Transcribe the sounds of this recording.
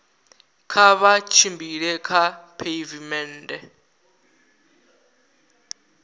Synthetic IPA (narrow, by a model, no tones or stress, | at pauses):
kʰaβat͡ʃʰimbiɺɛkʰapʰeivimɛndɛ